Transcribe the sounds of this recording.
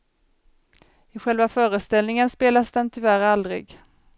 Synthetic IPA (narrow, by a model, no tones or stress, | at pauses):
ɪɧɛlvafœːɾəst̪ɛlnɪŋənspeːlasd̪ɛnt̪ʰʏvæɾald̪ɾɪ̰ɡ